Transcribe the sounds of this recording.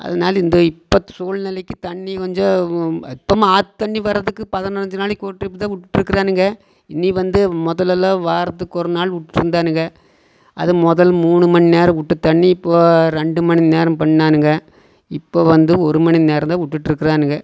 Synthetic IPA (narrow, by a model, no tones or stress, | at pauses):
ʔɐ̰ðɐnaːlɪnd̪oɪpːɐt̪ːsuːɭnɪlɐkːɯt̪ɐɳːikɔɲd͡ʒõɪpːɐmaːt̪t̪ːɐɳːiʋɐrːɐðɯkːɯpɐðɐnɐɾɐɲd͡ʒɯnaːlɪkoːʈːɪpːɯt̪ãːʊʈːɯʈːɪɾɯkːɪɾaːnɯŋɡɐ | ɪnːiʋɐnd̪ɯmɔðɐlɐlãʋaːɾɐt̪ːɯkːɔɾɐnaːlʊʈːɪɾɯnd̪aːnɯŋɡɐ | ɐ̰ðɯmɔðɐlmuːɳɯmɐɳineːɾɐmʊʈːɯt̪ːɐɳːiːpːoːɾɛɳɖɯmɐnineːɾɐmpɐɳːaːnɯŋɡɐ | ɪpːoːʋɐnd̪ɯɔɾɯmɐnineːɾɐmt̪ãːʊʈːɯʈːɪɾɯkːɪɾaːnɯŋɡɐ